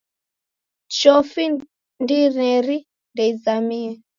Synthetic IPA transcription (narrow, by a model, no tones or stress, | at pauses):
t͡ʃɔfi | ndiɾɛɾi | ndɛzamiɛ